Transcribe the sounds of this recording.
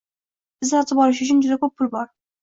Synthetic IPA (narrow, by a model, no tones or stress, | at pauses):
ɪzaɾt̪ʰɪbɒlɪʃ̬ʊt͡ʃʰʊnd͡ʒʊd̪akɵpʰːʊlbɒɾ